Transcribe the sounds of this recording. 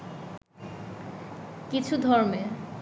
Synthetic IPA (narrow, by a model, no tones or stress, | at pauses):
kit͡ɕʰud̪ʱɔɾme